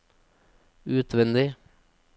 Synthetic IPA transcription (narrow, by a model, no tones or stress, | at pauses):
ʉːt̪ʰʋɛnd̪ɪ